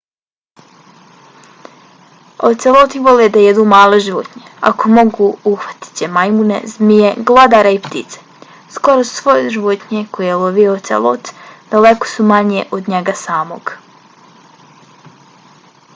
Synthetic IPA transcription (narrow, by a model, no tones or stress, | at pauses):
o̰t̪selˠot̪iʋoled̪ajed̪uːmaːlˠeʒiʋo̰t̪ɲea̰komo̞ɡuuxʋḁt̪i̥t͡ɕemajmunḛzmijeɡlˠad̪aːɾaipt̪it̪se | sko̞ɾosu̥sʋo̞jeʒiʋot̪ɲekojelˠoʋiot̪sḛlˠo̰t̪d̪̥aleko̥sumaɲeʔod̪ɲeɡasaːmo̞̰ɡ